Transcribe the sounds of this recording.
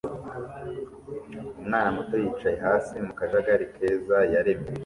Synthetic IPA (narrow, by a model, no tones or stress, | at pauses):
umŋaːnamutojiːt͡ʃaje̞ɦaːsimukaʒaɡaɾikʰe̞ːzajaɾeme